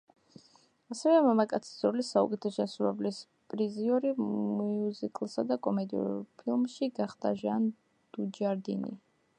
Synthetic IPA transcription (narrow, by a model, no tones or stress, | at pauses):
asɛvɛmamakʼat̪sʰi̥zɾɔlisaṵkʼɛt̪ʰɛʃɛnsɾuvɛblis | pʼɾiziɔɾimiuzikʼlˠsad̪akʼɔmɛd̪iṵɾpʰilˠmʃiɡaχd̪aʒan | d̪̥ud͡ʒaɾd̪inḭ